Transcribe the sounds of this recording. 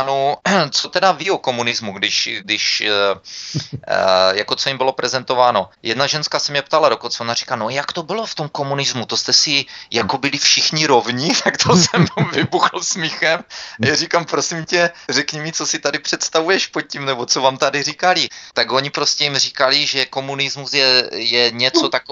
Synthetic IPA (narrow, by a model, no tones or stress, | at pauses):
anot͡sot̪ɛdavioko̞munɪzmuɡdɪʃɡdɪʃ | jako̞t͡so̞jimbɪlo̞pɾɛzɛnt̪o̞vaːno̞jɛdnaʒɛnskasɛmɲɛpt̪alado̞kont͡sɛonari̥kanojakt̪o̞bɪloft̪omko̞munɪzmut̪ost̪ɛsɪjakobɪlɪfʃɪxɲɪɾo̞vɲɪt̪akt̪ʰosɛmomvɪbuxl̩smɪxɛmajaɾikampɾosɪmcɛrɛkɲimit͡sosɪt̪adɪpr̝̥ɛt̪st̪avujɛʃpot̪̚cimnɛbot͡sovaːmt̪adɪrikalɪt̪aɡo̞ɲɪpɾoscɛjimr̝ikalɪʒɛko̞munɪzmusjɛjɛɲɛt͡sot̪ako